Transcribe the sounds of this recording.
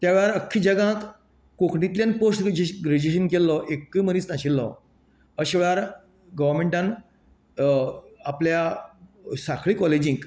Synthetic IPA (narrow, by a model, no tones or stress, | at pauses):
t̪jaʋɭaɾəkʰːiːd͡ʑəɡãt̪ | kokɳit̪ljãnposʈd͡ʑɡɾed͡ʑeɕ̬ənkelːɔʔekːimənĩːt͡snaɕilːɔ | əɕʋjɭaɾ | ɡəʋəɾmẽɳʈãn | aplja | sakʰɭiːkɔled͡ʑĩŋk